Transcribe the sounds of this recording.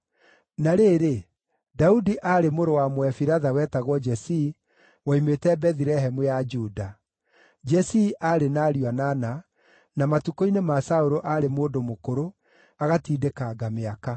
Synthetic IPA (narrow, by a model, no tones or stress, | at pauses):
naɾeɾe | daudiʔaɾemoɾowamwɛfiɾaðawɛːtaɣwɔd͡ʒɛsi | waimetɛbɛðiɾɛɦɛmujad͡ʒuːda | d͡ʒɛsiʔaɾenaːɾianana | namatukoinemasaoɾoʔaɾemoːdomokoɾo | aɣatiːdekaɡameaka